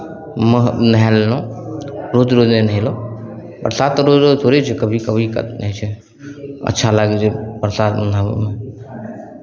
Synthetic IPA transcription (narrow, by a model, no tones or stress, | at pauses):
mənəɦɛlnõ | ɾod͡ʒɾod͡ʒnenəɦilõ | pəɾsat̪ːɾod͡ʒɾot̪ʰoɾet͡ʃʰekəbʱikəbʱikə̰t̪nəɦɛt͡ʃʰɛ | ə̰tːʃʰalaɡed͡ʒepɾsat̪nəme